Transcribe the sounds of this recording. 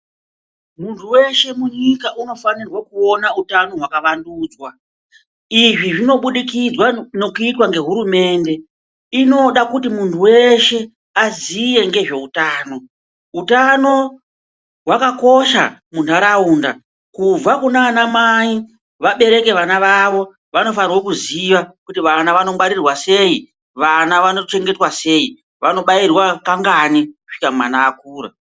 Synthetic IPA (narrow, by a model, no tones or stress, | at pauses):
muntʰuwe̞ʃe̞muɲikaʔuno̞fanirwakuo̞nautano̞ɦwakaʋanduːd͡zwa | iʐiʐino̞ɓuɗikid͡zwanokuitwaŋɡe̞ɦuɾume̞ːnde̞ | ino̞ɗakutimuntʰuwe̞ʃe̞ | azije̞ŋɡe̞ʐe̞utaːno̞ | utano̞ | ɦwakako̞ʃa̰muntʰaɾauːnda | kub͡vakunaːnamai | ʋaɓe̞ɾe̞ke̞ʋanaʋaʋo̞ | ʋano̞fanirwokuziʋakutiʋanaʋano̞mwaɾirwase̞ːi | ʋanaʋanot͡ʃe̞ŋɡetwase̞ːi | ʋano̞ɓairwakaŋɡaniku̥ʂi̥kauma̰naːkuːɾa̰